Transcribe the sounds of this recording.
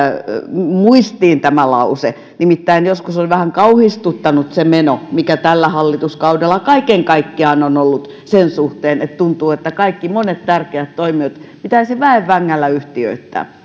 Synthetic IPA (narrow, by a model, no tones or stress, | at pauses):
muist̪iːnt̪æmælɑ̰use | nimit̪ːæinjoskusolʋæhæŋkɑuhist̪ut̪ːɑnut̪semenomikæt̪ælːæhɑlːit̪uskɑudelːˑɑkɑikeŋkɑikːiɑnonolːut̪ | sensuht̪eːnet̪t̪unt̪uːet̪ːækɑikːimonet̪t̪ærkeæt̪toimiøt̪pit̪æisiʋæeʋʋæŋːælːæyht̪iø̰it̪ːæ̰ː